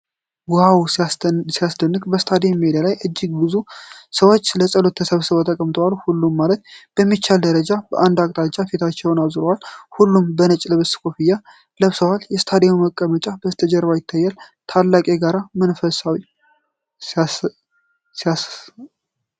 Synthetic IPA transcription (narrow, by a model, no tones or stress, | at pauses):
wɔhawsijasd̪ənːɨkʼbəst̪ʰad̪ejmːed̪alajʔɨd͡ʒːɪɡbɨzusəwo̞t͡ʃːləsʼəlo̞t̪ʰːəsəβsəβot̪ʼəkʼəmt̪ʰəwalhulːumːalət̪̚b̥əmːit͡ʃːald̪əɾəd͡ʒab̥əʔand̪akʼt̪ʼat͡ʃʼːafet̪ʰat͡ʃːɛwnaβzɾowalhulːumbənət͡ʃʼləβɨskʰo̞fija | ləβsəwaljɛst̪ʰad̪euməkʼːəmət͡ʃʼab̥əst̪ʰəd͡ʒɛɾβajɪt̪ʰːajːɛlt̪ʰalːakʼeɡaɾamənfəsawi